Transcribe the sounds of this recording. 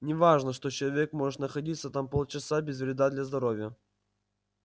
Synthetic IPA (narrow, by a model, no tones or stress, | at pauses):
nʲɪvaʐnəʂt̪o̞t͡ɕɪlˠɐvʲekmo̞ʐɨt̪nəxɐdʲit̪sət̪ampolˠt͡ɕɪsabʲɪzvɾʲɪd̪ad̪lʲɐzd̪ɐɾovʲjə